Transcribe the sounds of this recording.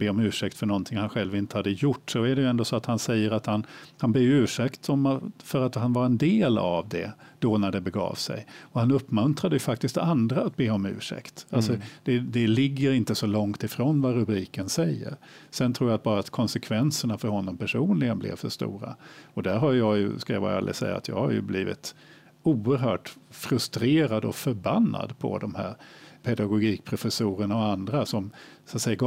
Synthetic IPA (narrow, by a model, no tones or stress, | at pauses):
b̥eːɔmʉ̟ːʂɛk̚t̪fœɳɔnt̪ʰɪŋhanɧɛlvɪnt̪ə̥had̪ːəjʊʈːsɔæɖɛjɵɛnd̪oːsɔat̪hansɛjːəɾat̪hanhanblɛːjʉːʂɛkt̪ɔmfœɾat̪hanvaɾɛnd̪eːla̰vd̪ɛ̰d̪̥ɔnæɖɛbɛɡɑ̰ːvsɛ̰jɔhanɵpːmɵnt̪ɾad̪əjɵfak̚t̪ɪst̪̚d̪ɛ̰and̪ɾaːt̪̚beːɔmʉ̟̰ːʂɛ̰kt̪alsɔd̪̥ɛd̪ɛlɪɡːəɾɪnt̪əsɔlɔŋt̪ɪfɾonvaɾɵbɾiːkənsɛjːə̰ɾ | sɛnt̪ʰɾuːɾjat̪̚bɑːɾat̪kʰɔnsɛkʰvɛnsəɳafœɾhɔnːɔmpʰæʂuːnlɪɡənblɪ̰vfœ̰ʂt̪ṵːɾa̰ɔd̪æɾɦajjɑjɵ̰skaava̰ɾa̰lʔɪ̰sɛ̰jːa̰a̰t̪jɑ̰ːɡhaɾjɵ̰bliːvɪ̰t̪ | uːəɾɦœːʈfɾɵst̪ɾeːɾad̪ɔfœɾbanːa̰d̪pʰɔ̰d̪ɔmhæ̰ːɾpʰɛd̪aɡʊɡiːk̚pʰɾʊfɛsuːɾəɳaɔand̪ɾasɔmsat̪sɛjaɡ